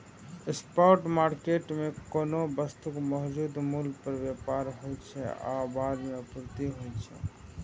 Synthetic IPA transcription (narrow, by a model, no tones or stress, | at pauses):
ɪspɔːɾʈmaːɾkeʈmẽkoːnobəst̪ukmɔɦd͡ʒuːd̪mulɡpəɾʋjepaɾɦojt͡ʃʰɛ̰a̰baːɾmeʊpuɾt̪iɦojt͡ʃʰɛ̰